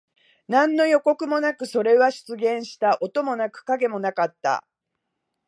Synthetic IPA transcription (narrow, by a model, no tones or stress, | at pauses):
nãnːo̞jo̞ko̞kɯ̟mo̞nakɯ̟so̞ɾe̞βaɕi̥t͡sɨɡẽ̞ɰ̃ɕi̥t̪aʔo̞t̪o̞mo̞nakɯ̟̥kaɡe̞mo̞nakat̪ːa̰